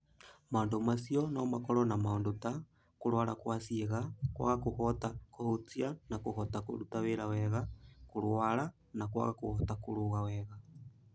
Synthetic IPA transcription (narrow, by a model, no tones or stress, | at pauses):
maondomasiɔnɔmakɔɾɔnamaondota | koɾwaɾakwasieɣakwa̰ɣakohɔtakohotianakohɔtako̰ɾutaweɾawɛɣakoɾwaɾa | nakwa̰ɣakohɔtakoɾoɣawɛɣa